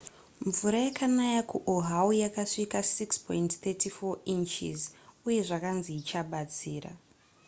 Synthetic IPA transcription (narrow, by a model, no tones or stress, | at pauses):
ɱvuɾajakanajakuʔoɦaujakaʂikasikspʰointθetifoint͡ʃḭzuje̞ʐakanziit͡ʃaɓat͡siːra̰